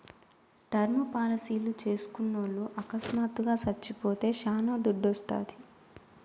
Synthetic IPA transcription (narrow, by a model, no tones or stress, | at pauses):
ɖɐɾmɐpaːlɐsiːlut͡ʃe̞ːsu̥kunːoːɭːuʔɐkɐsmaːt̪ːuɡaːsɐt͡ʃːipoːt̪e̞ːʃaːnoːd̪uɖːɔst̪a̰ːd̪i